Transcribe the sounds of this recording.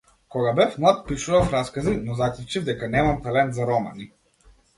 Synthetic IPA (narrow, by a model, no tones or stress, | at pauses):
kɔɡabɛfmlˠat̪̚piʃuvafɾaskazinɔzaklˠut͡ʃivd̪ɛkanɛmamt̪alɛnt̪zaɾɔma̰ni